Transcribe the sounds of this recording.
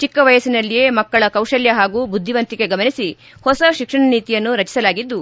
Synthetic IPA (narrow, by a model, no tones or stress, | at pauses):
t͡ʃikːɐʋɐjɐsinɐlːije̞ːmɐkːɐɭɐkɐwʂɐljɐɦaːɡuːbud̪ʱːiʋɐnt̪iɡe̞ɡɐmɐnisi | hɔsɐʃikʂɐɳɐniːt̪ijɐnːuɾɐt͡ʃi̥sɐlaːɡid̪ːu